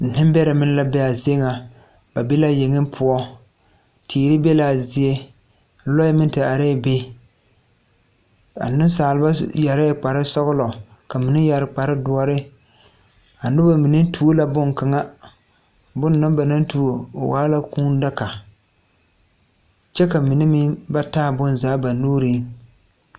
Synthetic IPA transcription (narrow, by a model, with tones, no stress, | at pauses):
n̩˨nɪ˦mbɛ˦ɾa˨mɪ˦n˦la˦bɛ˦a˨zi˦e˦ŋa˨ | ba˨bi˦la˦je˨ŋɪ˦m˦pʰʊ˦ɔ˦ | tʰiː˨ɾɪ˦bɛ˦la˨zɪ˦e˦ | n̩˦lɔ˦jɛ˦mɪ˦n˦tɪ˨a˨ɾɛ˦˨be˦ | a̰˨nɨ˦n˦saː˨lɪ˨˦ba˦ja˨ɾɪ˦˨k͡pa˨ɾɪ˦sɔ˦ɣʊ˦lɔ˨ | ka˨mɪ˨nɪ˦ja˨ɾɪ˨k͡pa˨ɾɪ˦dʊ˦ɔ˦ɾɪ˦ | a˨nʊ˦ba˨mi˨nɪ˦tʰu˦o˦la˨bʊ˦ŋka˨ŋa˦ | bʊ˦nːɨ˦mba˨na˦ntu˨o˨o̰˨waː˦la˦kuː˦n˦da˦ka˨ | t͡ʃɛ˦ka˨mɪ˨nɪ˦mi˦ba˦taː˦˨bʊ˦nzaː˨˦ba˨nuː˦ɾi˦